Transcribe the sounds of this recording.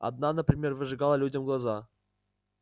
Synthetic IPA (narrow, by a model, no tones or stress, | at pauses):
ɐ̰d̪̚nanəpɾʲɪmʲe̞rvɨʐɨɡalˠəlʲudʲəmɡlˠaza